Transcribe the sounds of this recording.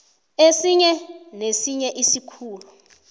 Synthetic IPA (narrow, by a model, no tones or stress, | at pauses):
esiɲɛnesiɲɛʔisikʰuːlu